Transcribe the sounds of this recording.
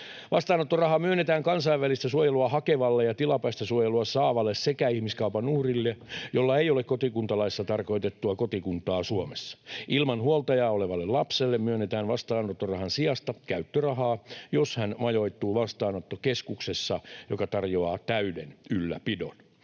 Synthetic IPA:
ʋɑst̪ɑːnot̪ːorɑhɑmyønːet̪æːŋkɑnsɑiʋʋælist̪æsuojeluɑhɑkeʋɑlːejɑt̪ilɑpɑist̪ɑsuojeluɑsɑːʋɑlːessekæihmiskɑupɑnuhrilːejolːɑeijolekkot̪ikunt̪ɑlɑisːɑt̪ɑrko̞it̪et̪ːuɑkot̪ikunt̪ˑɑːsuomesːɑ̥ʔilmɑnhuolt̪ɑjɑːoleʋɑlːellɑpselːemmyønːet̪æːnʋɑst̪ɑːnːot̪ːorɑhɑnsiɑst̪ɑkæyt̪ːørɑɦɑːjoshænmɑjo̞it̪ːuːʋɑst̪ɑːnot̪ːokeskuksesːɑjokɑt̪ɑrjoɑːt̪æydenylːæ̰pido̰n

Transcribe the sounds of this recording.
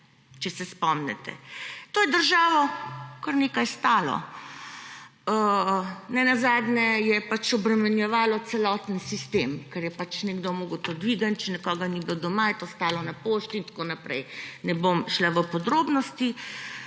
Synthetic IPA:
t͡ʃɛsɛspɔmnɛ̰t̪ɛ̰t̪oːjɛd̪əɾʒaːʋɔkəɾnekajst̪aːlɔ̰ | nɛnazaːd̪nɛjɛpat͡ʃɔbɾɛmɛnjɛʋaːlɔt̪sɛlɔt̪ənsist̪emkɛɾjɛpat͡ʃnɛɡd̪omoːɡəwt̪od̪ʋiːɡant͡ʃɛnɛkɔːɡaniblod̪ɔmajɛt̪oːst̪aːlɔnapoʃt̪int̪ḁkonapɾɛjnɛbomʃlaʋəpɔd̪ɾoːbnɔst̪i

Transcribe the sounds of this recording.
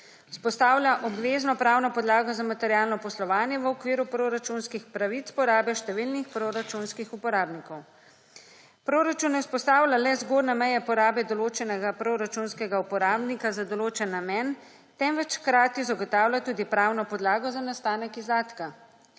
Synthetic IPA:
spɔst̪aːwlʲjaʔɔbʋeːznɔpɾaːwnɔpɔd̪laːɡɔzamat̪ɛɾijaːlnɔpɔslɔʋaːnjɛʋəɔkʋiːɾupɾoɾat͡ʃunskixpɾaʋit̪pɔɾaːbɛʃt̪ɛʋilnixpɾoɾat͡ʃunskixupɔɾaːbnikɔw | pɾoːɾat͡ʃunːɛwspɔst̪aːwlʲjʲalɛzɡoːd̪nɛmɛjɛpɔɾaːbɛd̪ɔloːt͡ʃɛnɛɡapɾoɾat͡ʃunskɛɡaupɔɾaːbnikazad̪ɔloːt͡ʃɛnːamjɛn | t̪ɛmʋɛt͡ʃxkɾaːt̪izaɡɔt̪aːwlʲjat̪uːd̪ipɾawnɔpɔd̪laːɡɔzanast̪aːnɛkizd̪aːt̪ka

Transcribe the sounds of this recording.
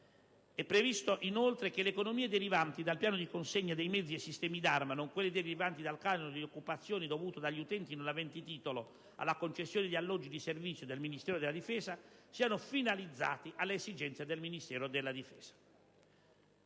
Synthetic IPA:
ɛpːɾevist̪oʔinolt̪ɾekeleːkonomiːed̪eɾivant̪id̪alpjaːnod̪ikonseɲːad̪ejmɛd̪ziesist̪ɛːmid̪armanoŋkwelːid̪eɾivant̪id̪alkaːnnod̪iokːupat̪sːjoːnid̪ovuːt̪od̪aʎːiut̪ɛnt̪inunavɛnt̪it̪iːt̪olo | a̰lːakont͡ʃesːjoːned̪ialːɔd͡ʒːid̪iservit̪sːjod̪elminist̪ɛːɾod̪elːad̪ifɛːzasiːanofinalid̪zːa̰ːt̪iʔalːeezid͡ʒɛnt̪sjed̪elminist̪ɛːɾod̪elːad̪ifɛːz̥ḁ

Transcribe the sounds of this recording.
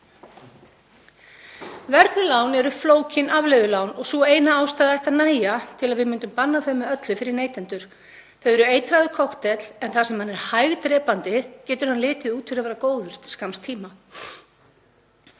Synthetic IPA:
vɛɾðʏlaːwnɛɾʏfloːwcɪnʔavlejðʏlawnɔɣsɔeːjnaaːwst̪aːðaɛht̪aðnaːjat̪ʰɪlaðvɪðmʏːnt̪ʏmpanːaθœɥmɛœt̪lɪfɪɾɪɾneːjt̪ɛnt̪ʏɾ̥ | θeɥðɛɾʏeːjt̪ɾaðʏkʰɔht̪ɛt̪l̥ɛnθasɛmhanɛɾ̥hajɣt̪ɾɛːpant̪ɪcɛːt̪ʏɾ̥hanlɪːt̪ɪðuːt̪fɪɾaðvɛːɾakoːwðʏɾ̥t̪ʰɪ̥skamst̪ʰiːma

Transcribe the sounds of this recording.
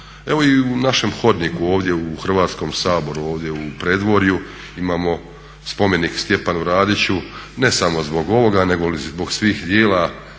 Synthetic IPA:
e̞ʋo̞iunaʃe̞mxo̞d̪nikuo̞ːʋd̪jeuxr̩ʋaːt̪sko̞msaːbo̞ɾuoːʋd̪je̞upɾed̪ʋo̞ɾju | imaːmo̞ | spo̞me̞nikst̪je̞panuɾaːd̪it͡ɕune̞samo̞zbo̞ɡo̞ʋo̞ɡane̞ɡo̞lizbo̞ɡsʋiːxd̪jeːla

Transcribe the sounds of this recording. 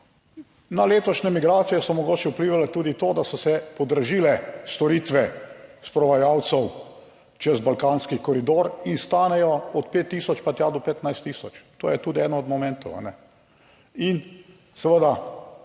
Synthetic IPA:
naleːt̪ɔʃnɛmiɡɾaːt̪sijɛsɔmɔɡoːt͡ʃɛupliːʋalɛt̪uːd̪it̪oːd̪asɔsɛpɔd̪əɾʒiːlɛst̪ɔɾiːt̪ʋɛspɾɔʋajaw̪sɛw | t͡ʃɛzbalkanskikɔɾid̪oːɾinst̪aːnɛjɔɔt̪pet̪ːiːsɔt͡ʃpat̪jad̪ɔpɛt̪najst̪ːiːsɔt͡ʃt̪o̰ːjɛt̪uːd̪iɛːd̪nɔɔd̪mɔmɛ̃nt̪ɔwa̰nɛ | in | səʋəd̪a

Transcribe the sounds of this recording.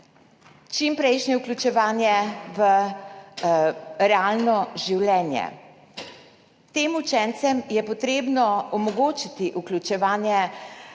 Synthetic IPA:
t͡ʃimpɾɛjʃnjɛɛuklʲut͡ʃɛʋaːnjɛʋə | ɾɛaːlnɔʒiwlɛːnjɛ̰ | t̪eːmut͡ʃɛnt̪sɛmjɛpɔt̪ɾeːbnɔɔmɔɡoːt͡ʃit̪iʔuklʲut͡ʃɛʋaːnjɛ

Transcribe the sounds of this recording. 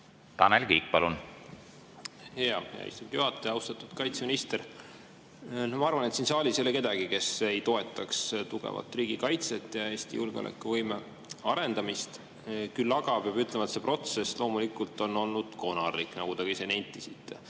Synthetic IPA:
t̪ɑnelkiːk̚pɑlun | heɑjɑ̰ḭst̪umd̪juɦɑt̪ːˑeɑwst̪ɑt̪ːˑud̪̥kɑjt̪seminist̪er | nomɑɑrvɑnet̪sinsɑːlʲiselːeke̞d̪ɑɡ̥ike̞se̞jt̪o̞e̞t̪ːˑɑkst̪uɡ̥ḛvɑ̰t̪ːˑriːɡ̥ikɑjt̪set̪ːˑjɑe̞ːst̪ḭjulɡ̥eo̰lʔḛkːˑuvɤjme | ɑɾe̞nd̪̥ɑmist̪ | kylːɑɡ̥ɑb̥jɑbyt̪lemɑet̪se̞pro̞t̪se̞slo̞ːmulikˑult̪ˑo̞nːo̞lnud̪̥ko̞nɑrlikˑnɑɡ̥ud̪ekɑisenejnʲt̪ːˑisit̪ːˑe

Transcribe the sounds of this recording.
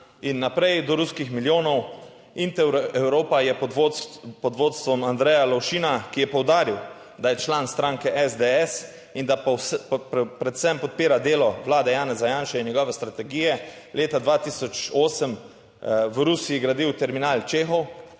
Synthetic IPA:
inːapɾɛjd̪ɔɾuskixmiljoːnɔw | int̪ɛwɾɛwɾoːpajɛpɔd̪ʋoːt̪st̪ʋɔmand̪ɾɛjalɔwʃinakijɛpɔwd̪aːɾiw | d̪ajɛt͡ʃlaːnst̪ɾaːŋkɛʔɛzd̪eɛs | ind̪aɔspɾɛt̪sɛmpɔt̪̚piːɾad̪eːlɔʋlaːd̪ɛjaːnɛzajaːnʃɛinjɛɡɔːʋɛst̪ɾat̪ɛɡiːjɛ | leːt̪ad̪ʋaːt̪iːsɔt͡ʃoːsəm | ʋɾusijiɡɾad̪iwt̪ɛɾminaːlt͡ʃeːxɔw

